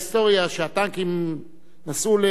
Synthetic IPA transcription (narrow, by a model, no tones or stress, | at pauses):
st̪o̞ʁjaʃeat̪aŋkim | nasule